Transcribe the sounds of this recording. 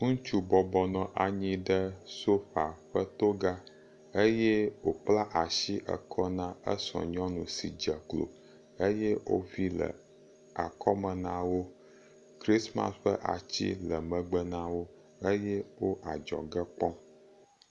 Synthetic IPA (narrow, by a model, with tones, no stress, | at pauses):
ŋũ˦t͡ʃu˦bɔ˨bɔ˨nɔ̃˨ʔa˨ɲĩ˦ɖə˦so˦ɸa˨ɸə˦t̪o˦ɡa˦ | ə˦jɛ˦wo˨k͡pla˦ʔa˨ʃi˦ʔə̰˨kʰɔ˦nã˦ə˦sɔ̰̃˨ɲɔ̃˦nũ˨si˨d͡ʒə˨klo̰˨ | ə˦jɛ˦wo̰˦vi˦lə̰˨ | a̰˨kʰɔ˦mə̃˨nã˦wo˦ | kɾi˦sma̰˦sɸə̰˦ʔa̰˨t͡ɕḭ˦lə˨mə̃˨ɡ͡bə˦nã˦wo˦ | ə˦jɛ˦wo˦ʔa˨d͡ʒɔ̰˨ɡə˦k͡pɔ˦